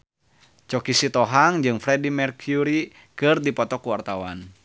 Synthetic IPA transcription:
t͡ʃɔkisit̪ɔɦaŋd͡ʒɨŋfɾɛdimɛrkʰuɾi | kɨrdipɔt̪ɔkuwart̪awa̰n

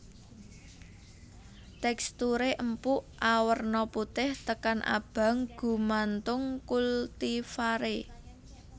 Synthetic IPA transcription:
t̪ɛkst̪uɾeʔəmpuʔʔawərnɔput̪ɪht̪əkanʔa̰b̥ä̤ŋɡ̥ṳmant̪ʊŋkult̪ifaɾe

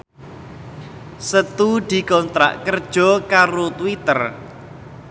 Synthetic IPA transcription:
sət̪ud̪̥i̤kɔnt̪ɾa̰ʔkərd̥ʒ̥ɔ̤kaɾot̪wit̪ər

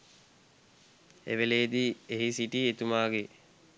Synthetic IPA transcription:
ḛʋeleːd̪ieɦisiʈiet̪umaːɡe

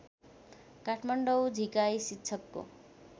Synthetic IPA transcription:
kaʈʰmaɳɖʌwd͡zʱikajsitːt͡ʃʰʌkːo̰

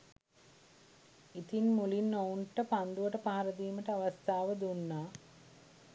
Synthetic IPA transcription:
it̪inmulinːouɳʈəpand̪uʋəʈəpaɦaɾəd̪iːməʈəaʋast̪aːʋəd̪unːaː

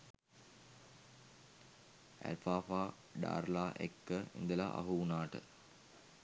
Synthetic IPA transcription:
æ̰lfaːfaː | ɖa̰ːrlaːʔekːəḭnd̪əlaʔa̰ɦuunaːʈə

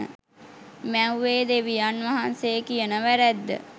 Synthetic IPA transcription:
ə̰ | mɛ̃uʋeːd̪eʋijanʋaɦansekijənəʋæɾɛd̪ːə̰

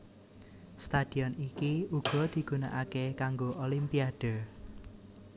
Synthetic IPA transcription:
st̪ad̪̥i̤ɔnikiuɡ̥ɔ̤d̪̥i̤ɡ̥unaʔakekaŋɡoʔolimpiad̥ɔ

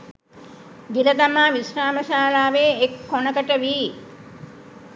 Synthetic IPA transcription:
ɡiləd̪amaːʋisraːməʃaːlaːʋeːekːonəkəʈəʋiː

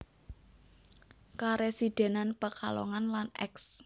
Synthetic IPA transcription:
kaɾesid̪̥e̤nanpəkalɔ̰ŋanlanʔɛ̰ks

